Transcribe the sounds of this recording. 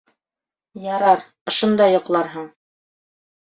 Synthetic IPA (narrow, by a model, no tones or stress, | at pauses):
jɑɾɑɾ | ŏʃŏnd̪ɑjŏqlˠɑɾɦɤɴ